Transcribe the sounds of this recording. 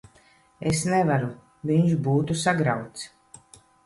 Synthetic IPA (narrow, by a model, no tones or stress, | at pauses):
esnɛvaɾu | viɲʃbuːt̪usaɡɾawt̪s